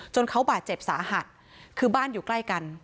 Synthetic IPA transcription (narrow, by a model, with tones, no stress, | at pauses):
t͡ɕo˧nkʰa˦˥wbaː˨˩t̪̚t͡ɕe˨˩p̚saː˩˦ɦa˨˩t̪̚ | kʰɯː˧baː˥˩njuː˨˩kla˥˩jka˧n